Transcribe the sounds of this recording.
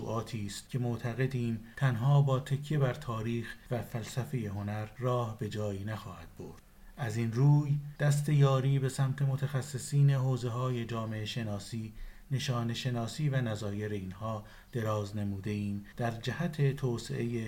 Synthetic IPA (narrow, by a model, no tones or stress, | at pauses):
ṵːʔɒːt̪ʰiːst̪cʰe̞moʔt̪ʰæɣe̞d̪iːmt̪ʰænɦɒːbɒːt̪ʰe̞cʰːe̞bæɾt̪ʰɒːɾiːxvæfælsæfe̞je̞ɦo̞næɾːɒːhbe̞d͡ʒɒːjiːnæxɒːhæd̪̥̚bo̞̰ɾd̪̥ | ʔæziːnruːjd̪̥æst̪e̞jɒːɾiːbe̞sæmt̪ʰe̞mot̪ʰæxæsːesiːne̞ɦoːze̞ɦɒːje̞d͡ʒɒːmeʔeʃe̞nɒːsiːne̞ʃɒːne̞ʃe̞nɒːsiːvænæzɒːje̞ɾe̞inhɒː | d̪̥e̞ɾɒːzne̞muːd̪e̞iːmd̪̥æɾd͡ʒæhæt̪ʰe̞t̪ʰoːsḛʔeje